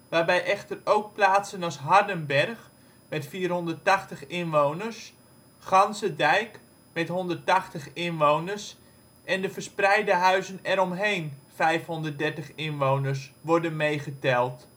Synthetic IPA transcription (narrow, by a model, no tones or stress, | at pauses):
ʋaːrbɛjʔɛxtərowk̚plaːtsənɑsɦɑrdənbɛrχ | mɛtfiːrɦɔndərtaχtəχɪnʋownərs | χɑnsədɛjk | mɛtɦɔndərtaxtəχɪnʋownərs | ʔɛndəfərsprɛjdəɦœɥzənɛɾɔmɦejnfɛjfɦɔndərt̚dɛɹtəχɪnʋownərsʋɔrdənmejχətɛlˠt